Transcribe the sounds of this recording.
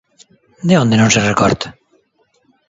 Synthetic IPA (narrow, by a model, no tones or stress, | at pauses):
d̪eõnd̪enõŋserekɔ̰ɾt̪ḁ